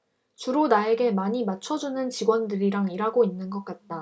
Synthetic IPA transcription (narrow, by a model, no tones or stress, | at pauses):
t͡ɕuɾonae̞ɡe̞maɲimat͡ɕʰʌd͡ʑunɯnt͡ɕiɡwʌndɯɾiɾaŋiɾaɡoinːɯnɡʌk͈at̚t͈a